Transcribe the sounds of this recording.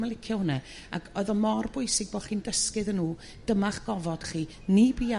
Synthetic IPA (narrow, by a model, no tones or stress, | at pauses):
malˠɪkʰjɔnɛ | a̰ɡʰɔɨðɔmɔrbʊɨsɪɡ̚bɔːχiːndəskɨðənːuː | d̥əmaχɡ̥ɔvɔd̥χiː | nibiːa